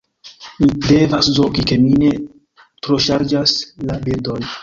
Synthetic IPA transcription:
mide̞vaszo̞kike̞mine̞ | tɾo̞ʃaɾd͡ʒaslabildo̞n

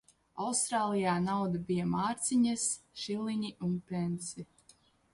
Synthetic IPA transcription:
awst̪ɾaːlˠijaːnawd̪abijamaːɾt̪sʲiɲɐsʃilˠiɲiʔunpʲensi

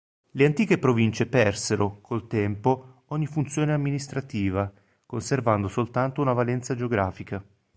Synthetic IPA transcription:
leant̪iːkepɾovint͡ʃepɛrseɾokʰolt̪ɛmpo | ɔɲːifunt̪sjoːneamːinist̪ɾat̪iːva | konservand̪osolt̪ant̪ounavalɛnt̪sad͡ʒeoɡɾaːfika

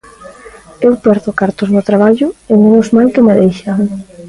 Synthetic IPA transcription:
ewpɛɾðokaɾt̪ozβot̪ɾaβ̞aʎʊemenʊzmajkɪmeðejʃa

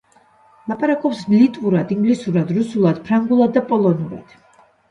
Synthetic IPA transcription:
lˠapʼaɾakʼɔpsmlit̪ʼuɾad̪iŋɡlisuɾad̪ɾusulˠad̪̥pʰɾaŋɡulˠad̪ːapʼɔlˠɔnuɾa̰d̪̥

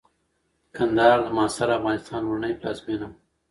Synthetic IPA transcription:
kʰand̪ɑːɾlamɑːsaɾaːfɣɑːnɪst̪ɑːnwʊɳajplɑ̰ːzminam

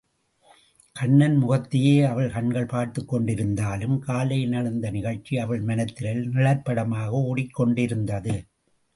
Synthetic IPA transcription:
kɐɳːɐnmʊɣɐt̪ːɪjeːɐʋɐɭkɐɳɡɐɭpaːɾt̪ɯkːɔɳɖɪɾɯnd̪aːlɯmkaːlɐjnɐɻɯnd̪ɐnɪɣɐɻt͡ʃːiɐʋɐɭmɐnɐt̪ːɪlɐlnɪɭɐɾpɐɽɐmaːɣɐʊɽɪkːɔɳɖɪɾɯnd̪ɐðɯ

